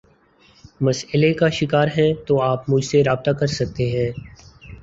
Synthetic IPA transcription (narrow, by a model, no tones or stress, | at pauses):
mɐsɪlekaʃɪkaːɾɦɛt̪oaːpmʊd͡ʒʱseɾaːb̚t̪akɐɾsɐk̚t̪eɦɛ̃ː